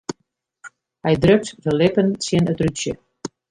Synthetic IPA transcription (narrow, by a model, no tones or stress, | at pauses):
hɛjdrøk̚tdəlɪpənsiənətrytsjə̰